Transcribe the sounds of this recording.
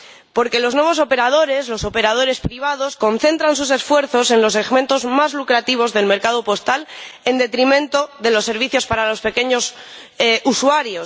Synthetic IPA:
po̞ɾke̞lo̞znwe̞β̞o̞s̬o̞pe̞ɾað̞o̞ɾe̞szlo̞so̞pe̞ɾað̞o̞ɾe̞spɾiβ̞að̞o̞sko̞nθe̞nt̪ɾansus̬e̞sfwe̞ɾθo̞se̞nlo̞seɣmẽ̞nt̪o̞zmazlukɾat̪iβ̞o̞zðe̞lme̞ɾkað̞o̞po̞st̪ale̞nd̪et̪ɾimẽ̞nt̪o̞ðe̞lo̞sːe̞ɾβ̞iθjospaɾalo̞spe̞ke̞ɲo̞s | usuaɾjo̞s

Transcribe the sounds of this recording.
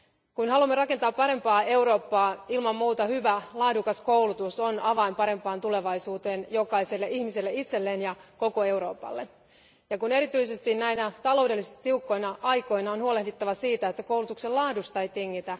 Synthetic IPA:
kunɦɑlumːeɾɑke̞nt̪ɑːppɑɾe̞mpɑːe̞uɾo̞ːpːɑːilmɑmːuːt̪ɑhyʋælɑːdukɑskoulut̪uso̞nɑʋɑimpɑɾe̞mpɑːnt̪ule̞ʋɑisuːt̪e̞ːnjo̞kɑise̞lːeʔihmiselːeit̪se̞lːeːnjɑko̞ko̞e̞uɾo̞ːpɑ̰lːe | jɑkune̞ɾit̪yise̞st̪innæinæt̪ɑlo̞wdelːist̪iukːo̞jnɑʔɑjko̞jnɑonhuole̞hdit̪ːɑʋɑsiːt̪æet̪ːækoulut̪ukselɑːdust̪ɑjt̪eŋːit̪æ

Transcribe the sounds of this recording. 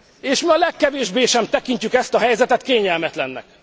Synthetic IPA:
eːʃmiɒlɛkːɛveːʒbeːʃɛmt̪ɛkiɲcykɛst̪ɒɦɛjzɛt̪ɛt̪keːɲɛlmɛt̪lɛnːɛ̰k̚

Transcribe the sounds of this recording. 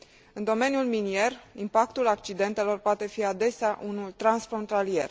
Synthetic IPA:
ɨnd̪o̞me̞njulminie̞rimpak̚t̪ulak̚t͡ʃid̪e̞nt̪e̞lo̞rpoat̪e̞fiad̪e̞seaʔunult̪ɾansfɾo̞nt̪alie̞̰r

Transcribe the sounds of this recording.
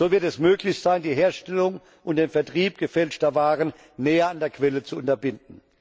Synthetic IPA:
z̥oːvɪɐtɛsmøːklɪçz̥aɪndiːɦeːɐʃtɛlʊŋ | ʔʊntd̥eːnfɛɐtʁ̥iːp̚ɡ̥əfɛlt͡ʃtɐvaːʁənː | ɛːɐandeːɐkv̥ɛlət͡suʊntɐbɪnd̚n̩

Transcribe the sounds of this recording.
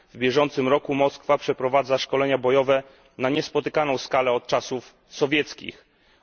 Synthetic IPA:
vbʲjɛʐɔnt̪sɘmɾɔkumɔskfapʂɛpɾɔvad̪zaʂkɔlɛɲabɔjɔvɛ | naɲɛspɔt̪ɘkanɔ̃w̃skalɛɔt̪̚t͡ʂasuf | sɔvʲjɛt̪skʲḭx

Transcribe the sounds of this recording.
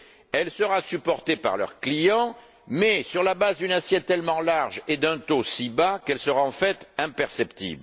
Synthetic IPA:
ɛlsəʁasypɔʁt̪epa̰ʁlœ̰ʁklijɑ̃ | mɛsyʁlabazd̪ynasjɛt̪ːɛlmɑ̃laʁʒed̪ɛ̃t̪osibakɛlsəʁaɑ̃fɛt̪ɛ̃pɛʁsɛpt̪ḭbl

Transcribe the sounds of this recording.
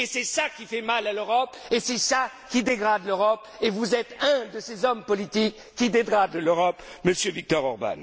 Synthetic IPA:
esɛsakʲifɛmalaløʁɔpesɛsa | kʲid̪eɡʁad̪løʁɔp | evuzɛt̪ɛ̃d̪əsezɔmpɔlit̪ikʲːid̪eɡʁad̪løʁɔpməsjøvik̚t̪ɔʁɔʁba̰n

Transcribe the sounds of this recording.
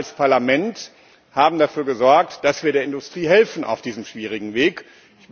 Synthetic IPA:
lspʰaɐlamɛnt | haːbm̩dafyːɐɡəzɔɐk̚td̥asv̥iːɐɾeːɐɪndʊstʁ̥iːɦɛlfn̩ʔa̰ʊfd̥iːzəmʃv̥iːʁ̞ɪɡŋ̩veːk | ç

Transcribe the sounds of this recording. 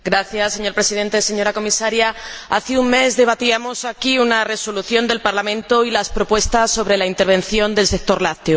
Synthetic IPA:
ɡɾaθjasːe̞ɲo̞ɾpɾe̞sið̞e̞nt̪e̞se̞ɲo̞ɾako̞misaɾjaa̰θiuŋme̞zðe̞β̞at̪iamo̞sakiunare̞so̞luθjo̞nd̪e̞lpaɾlamẽ̞nt̪oilaspɾopwe̞st̪asːo̞βɾe̞laint̪e̞ɾβ̞ẽ̞nθjo̞nd̪e̞lsek̚t̪o̞ɾlat̪jo

